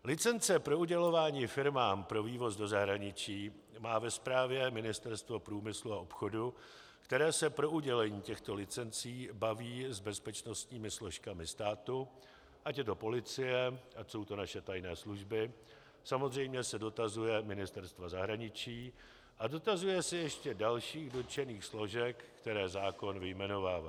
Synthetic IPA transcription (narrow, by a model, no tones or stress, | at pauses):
lɪt͡sɛnt͡sɛpɾo̞uɟɛlo̞vaːɲiːfɪɾmaːmpɾo̞viːvo̞zdo̞zaɦɾaɲɪt͡ʃiː | maːvɛspɾaːvjɛmɪnɪst̪ɛɾst̪vo̞pɾuːmɪsluaʔopxo̞du | kt̪ɛɾɛːsɛpɾo̞ʔuɟɛlɛɲiːcɛxt̪o̞lɪt͡sɛnt͡siːbaviːzbɛspɛt͡ʃno̞st̪ɲiːmɪslo̞ʃkamɪst̪aːt̪u | ʔacɛt̪o̞po̞lɪt͡sɪjɛʔaso̞wt̪o̞naʃɛt̪ajnɛːsluʒbɪ | samo̞zr̝ɛjmɲɛsɛdo̞t̪azujɛmɪnɪst̪ɛɾst̪vazaɦɾaɲɪt͡ʃiː | ʔado̞t̪azujɛsɪjɛʃcɛdalʃiːɣdo̞t͡ʃɛniːxslo̞ʒɛkkːt̪ɛɾɛːzaːko̞nvɪjmɛno̞vaːvaː